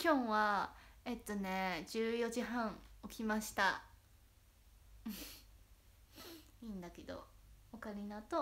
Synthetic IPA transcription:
kʲõ̞ɰ̃βae̞t̪ːo̞ne̞d͡ʑɨːjo̞ʑiɦãɰ̃o̞kʲimaɕi̥t̪a | iːnd̪ake̞d̪o̞̰okaɾʲinat̪o

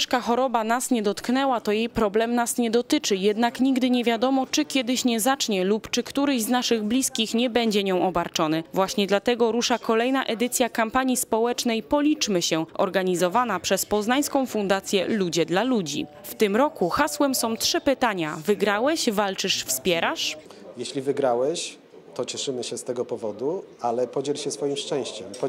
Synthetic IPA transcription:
ʂkaxɔɾɔbanasɲɛd̪ɔt̪knɛwat̪ɔjejpɾɔblɛmnasɲɛd̪ɔt̪ɘt͡ʂɘjɛd̪nakɲiɡd̪ɘɲɛvʲjad̪ɔmɔt͡ʂɘkʲjɛd̪ɘɕɲɛzat͡ʂɲɛlupt͡ʂɘkt̪uɾɘʑznaʂɘɣblʲiskʲixɲɛbɛɲd͡ʑɛɲɔ̃w̃ʔɔbaɾt͡ʂɔnɘvwaɕɲɛd̪lat̪ɛɡɔɾuʂakʰɔlɛjnaʔɛd̪ɘt̪sʲjakampaɲispɔwɛt͡ʂnɛjpɔlʲit͡ʂmɘɕɛʔɔ̰ɾɡaɲizɔvanapʂɛspɔznaɲskɔ̃w̃fund̪at̪sʲjɛ̰lud͡ʑɛd̪lalud͡ʑḭ | ft̪ɘmɾɔkuxaswɛmsɔ̃w̃tʂɘpɘt̪aɲavɘɡɾawɛɕvalt͡ʂɘʂfspʲjɛɾaʂ | jeɕlʲivɘɡɾawɛɕ | t̪ɔt͡ɕɛʂɘmɘɕɛst̪ɛɡɔpɔvɔd̪ualɛpɔd͡ʑɛlɕɛsfɔjimʂt͡ʂɛ̃w̃ɕt͡ɕɛmpɔ

